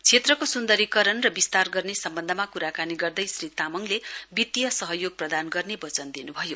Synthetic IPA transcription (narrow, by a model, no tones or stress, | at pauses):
t͡sʰet̪rʌkosund̪ʌɾikʌɾʌnrʌbist̪arɡʌrnesʌmbʌnd̪ʱʌmakuɾakaniɡʌrd̪ʌjsrit̪amʌŋlebit̪ːijʌsʌɦʌjoɡ̚prʌd̪anɡʌrnebʌt͡sʌnd̪inubʱʌjo